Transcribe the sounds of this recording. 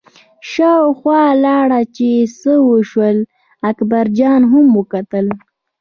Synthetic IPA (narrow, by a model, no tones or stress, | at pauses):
ʃɑwxwɑlɑɽat͡ʃesəwəʃwəl | akbaɾd͡ʒɑnɦʊmwəkat̪əl